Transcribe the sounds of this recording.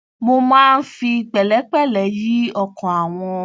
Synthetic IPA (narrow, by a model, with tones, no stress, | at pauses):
mo˧mãː˦˧n̩˦fi˧k͡pɛ˨lɛ˨˦k͡pɛ˦˨lɛ˨˦ji˦ɔ˦kɔ̃˨a˨w̃ɔ̃˧